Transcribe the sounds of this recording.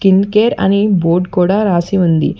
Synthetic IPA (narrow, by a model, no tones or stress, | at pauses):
kinkeːɾɐ̰niboːɾɖkuːɽaːɾaːsiund̪ḭ